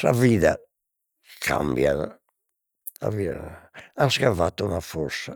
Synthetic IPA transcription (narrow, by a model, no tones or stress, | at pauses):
saviða | kʰa̰mbjaða | a̰vi | anskaɱvat̪ːuunafɔɾsa